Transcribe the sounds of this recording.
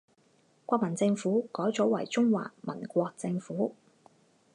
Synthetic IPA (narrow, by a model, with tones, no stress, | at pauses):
kʷwʷɔː˧k̚mɐ˨˩nt͡sɪ˧ŋfuː˨˥kɔː˨˥jt͡sɔ˨˥wɐ˨˩jt͡sʊ˥ŋwa̰ː˨k̚mɐ̰˨˩nkʷɔː˧k̚t͡sɪ˧ŋfuː˨˥